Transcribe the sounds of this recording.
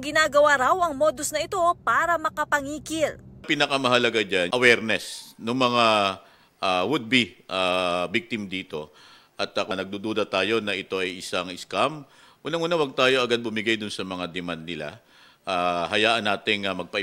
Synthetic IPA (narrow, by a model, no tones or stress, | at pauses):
ɡɪnaːɡɐwaɾawɐŋmoːd̪o̞snɐʔɪt̪o̞paːɾɐmɐkɐpɐŋiːkɪlpiːnɐkɐmɐɦɐlɐɡad͡ʒanʔɐwɛɾnɛsnʊŋmɐŋa | ʔawʊd̪̚biʔabik̚t̪ɪmd̪iːt̪o̞ | ʔɐt̪ːakɐnɐɡ̚d̪uːd̪uːd̪ɐt̪aːjo̞nɐʔɪt̪o̞ʔɐjʔɪsaŋʔɪskam | ʔuːnɐŋʔuːnawɐɡ̚t̪aːjo̞ʔɐɡad̪̚bʊmɪɡajd̪ʊnsɐmɐŋad̪ɛmand̪̚nɪla̰ | ʔahɐjaːʔɐnːaːt̪ɪŋːɐmɐɡ̚pɐʔɪ